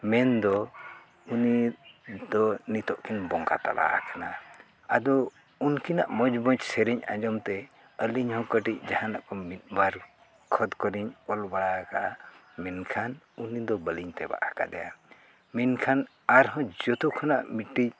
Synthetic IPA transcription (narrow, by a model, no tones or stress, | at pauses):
mɛnd̪ɔ | uni | d̪ɔnit̪ɔʔkinbɔŋɡa̰t̪a̰la̰ʔa̰kana | ad̪ɔ | unkina̰ʔmɔd͡ʒbɔ̃ɲt͡ʃsɛɾiɲã̰d͡ʒɔmt̪ɛ | əliɲhɔ̃kəʈic̚d͡ʒahãnaʔkɔmit̪̚baɾ | kʰɔd̪kɔɾiɲɔlbaɽakaʔa | mɛnkʰan | unid̪ɔbəliɲt̪ɛba̰ʔaka̰d̪ɛja̰ | minkʰan | aɾɦɔ̃d͡ʒɔt̪ukʰanaʔmiʈːic